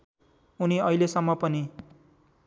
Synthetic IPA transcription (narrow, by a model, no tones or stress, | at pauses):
uniʌilesʌmːʌpʌni